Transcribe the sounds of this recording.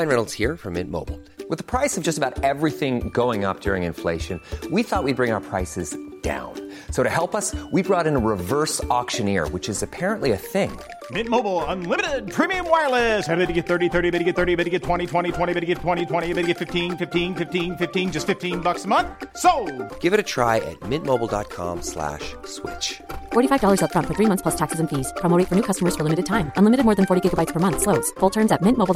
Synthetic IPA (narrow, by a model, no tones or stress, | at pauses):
ɪ̃nɹɛl̩ˠz̥hiɹfə̰̃mɪ̰̃ntmo̰ʊbl̩ˠ | wɨðəpʰɹ̥aɪsʌvd͡ʒʌstəbaʊɾɛvɹiθɪ̃ŋɡoʊɪ̃ŋʌ̰p̚d̥ʊɹɪ̃ŋɨ̃nfleɪʃɨ̃nwiθɔʔ̚wid̚bɹɪ̃ŋaʊə˞pʰɹ̥aɪsɨzd̥ã̰ʊ̃n | soʊɾɨɦɛlˠpʌswibɹɔɾɨ̃nəɹɨvɜ˞sɔkʃɨ̃nɪ̰ɹwɨt͡ʃɨzɨpʰɛɹə̃nʔliɨθɪ̃ŋ | mɪ̃t̚moʊbl̩ˠə̃nlɪ̃mɨɾɪd̚pʰɹ̥ĩmiɨ̃mwaɪlˠɪshæbeɾɨɡɛt̪̚θɜ˞ɾiθɜ˞ɾibɛɾɨɡɛt̪̚θɜ˞ɾibeɾɨɡɛtʰw̥ɛ̃ɾ̃itʰw̥ɛ̃ɾ̃itʰw̥ɛ̃ɾ̃ibɪɾɨɡɛtʰw̥ɛ̃ɾ̃itʰw̥ɛ̃ɾ̃iɨbɪɾɨɡɛtfɪftĩnfɪftĩnfɪftĩnfɪftĩnd͡ʒʌstfɪftĩnbʌksəmʌ̃nθsoʊɡ̥ɪvɨɾɨtʰɹ̥a̰ɪʔɨ̰t̚mɪ̃nmoʊbl̩ˠdɑ̰t̚kʰɑ̰̃mslæ̰ʃswɪ̰t͡ʃfɔɹɾifaɪvdɔlˠə˞zətfɹʌ̃ntfə˞θɹimʌ̃nθpʰl̥ʌstʰæksɨzɨ̃n̩fiz̥pʰɹ̥ɑmlˠɾeɪtfə˞nʉkʰʌstəmə˞z̥fə˞lɪmɨɾɨd̚tʰãɪ̃mʔə̃nlɪ̃mɨɾɨd̚mɔːɹðɨ̃n̩fɔɹɾiɡɪɡəbaɪtspʰə˞mʌ̃nθsloʊdz̥fʊlˠtʰɜ̃˞mzɨt̚mɪ̃nmoʊb̩ˠ